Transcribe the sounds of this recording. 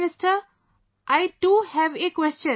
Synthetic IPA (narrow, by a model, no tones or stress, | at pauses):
nɪsʈəɾ | ʔaɪʈuːhɛʋekwɛst͡ʃə̃